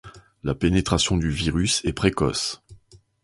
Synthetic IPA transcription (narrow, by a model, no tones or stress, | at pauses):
lapenet̪χasjɔ̃d̪yviʁysɛpχekɔ̰s